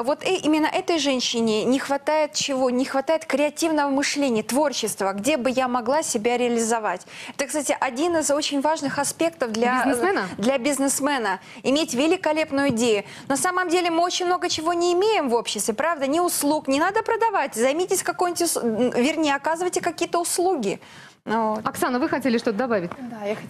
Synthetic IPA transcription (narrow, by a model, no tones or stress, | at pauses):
vo̞t̪imʲɪnːəʔɛt̪əjʐɛnʲɕːɪnʲɪnʲɪxvɐt̪ajɪt̪t͡ɕɪvonʲɪxvɐt̪ajɪt̪kɾʲɪɐtʲivnəvəmɨʂlʲenʲɪjət̪vo̞rɕɪst̪vəɡdʲe̞bɨjamɐɡlˠasʲɪbʲaɾʲɪɐlʲɪzɐvatʲɛt̪əkst̪atʲɪʔɐdʲinɨzo̞t͡ɕɪnʲvaʐnɨxɐspʲe̞kt̪əfd̪lʲad̪lʲɐbʲɪznɨsmɛnə | ɪmʲetʲvʲɪlʲɪkɐlʲe̞pnʊjʊɪdʲejʊ | nosaməmdʲelʲɪmɨo̞t͡ɕɪnʲmno̞ɡət͡ɕɪvo̞nʲɪːmʲejɪmvo̞pɕːɪst̪vʲɪpɾavd̪ənʲɪʊslˠuknʲɪnad̪əpɾəd̪ɐvatʲzɐjmʲitʲɪsʲkɐkojnʲɪtʲʊsvʲɪrnʲejəɐkazɨvəjtʲɪkɐkʲijət̪əʊslˠuɡʲɪ | vot̪ɐksanəvɨxɐtʲelʲɪʂt̪o̞t̪əd̪ɐbavʲɪtʲd̪aja